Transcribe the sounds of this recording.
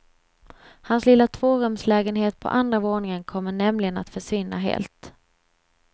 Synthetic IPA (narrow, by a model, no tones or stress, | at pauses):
hanslɪlːat̪ʰvoːɾɵmslɛːɡənɦeːt̪̚pʰɔ̰ʔand̪ɾavoːɳɪŋənkʰɔmːəɳɛmlɪɡəna̰t̪fœʂvɪnːa̰ɦḛːlt̪